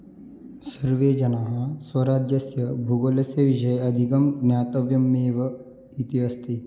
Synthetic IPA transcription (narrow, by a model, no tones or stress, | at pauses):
sɐɾʋeːd͡ʒɐnaːɦɐ̆sʋɐɾaːd͡ʒjɐsjɐbʱuɡoːlɐsjɐʋiʃɐjɐd̪ʱikɐmɡnjaːt̪ɐʋjɐmːeːʋɐ | it̪iɦɐst̪i